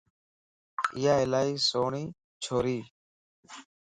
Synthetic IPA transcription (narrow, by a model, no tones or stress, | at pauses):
ɪjaːɪlaːiːsoːɳiː | t͡ʃʰoːɾiː